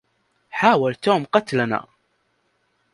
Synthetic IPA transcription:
ħaːwalt̪uːmqɑt̪lana̰ː

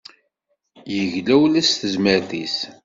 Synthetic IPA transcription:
jəʝlæwlæsθəzməɾðis

